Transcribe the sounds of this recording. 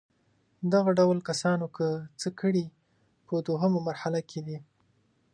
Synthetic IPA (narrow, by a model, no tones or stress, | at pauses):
d̪aɣaɖawlkasɑnokʰət͡səkəɽi | pəd̪oɦəmamaɾhalakʰed̪i